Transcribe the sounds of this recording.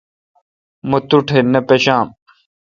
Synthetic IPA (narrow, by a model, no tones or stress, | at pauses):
mɐt̪uʈʰenɐpeɕãːm